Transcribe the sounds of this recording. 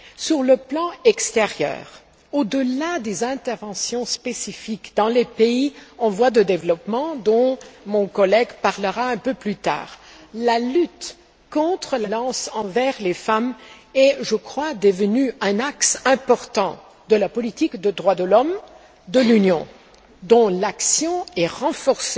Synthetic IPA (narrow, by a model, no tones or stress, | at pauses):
syʁləplɑ̃ɛkst̪eʁjœ̰ːʁ | od̪əlad̪ezɛ̃t̪ɛʁvɑ̃sjɔ̃spesifikd̪ɑ̃lepeiɔ̃vwad̪əd̪evlɔpmɑ̃d̪ɔ̃mɔ̃kɔlɛɡpaʁləʁaɛ̃pøplyt̪a̰ːʁlalyt̪ | kɔ̃t̪χəlalɑ̃sɑ̃vɛʁlefamɛʒəkχwad̪əvənyɛ̃naksɛ̃pɔʁt̪ɑ̃ | d̪̥əlapɔlit̪ikd̪əd̪ʁwad̪əlɔm | d̪əlynjɔ̰̃ | d̪ɔ̃laksjɔ̃ɛʁɑ̃fɔʁse